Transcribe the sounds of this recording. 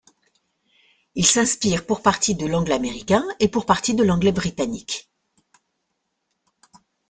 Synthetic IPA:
ilsɛ̃spiʁpuʁpaʁt̪id̪əlɑ̃ɡlameʁikʲɛ̃epuʁpaʁt̪id̪əlɑ̃ɡlɛbʁit̪anik

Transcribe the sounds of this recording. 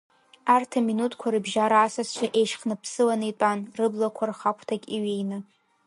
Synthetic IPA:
artʰaminutʰʼkʷʰaɾɨbʒaɾaːsast͡ʃʷʰaʔe̞jʃχnɨpʰsɨlanɨtʷʼanrɨblakʷʰarχakʷʰtʰakʲʼiɥejnɨ

